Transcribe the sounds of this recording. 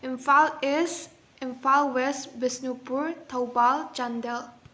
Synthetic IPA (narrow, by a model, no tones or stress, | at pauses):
ɪ̃nfalɛs | ɪ̃nfalwɛsbɪsnupuɹt̪ʰawbald͡ʒãndɛl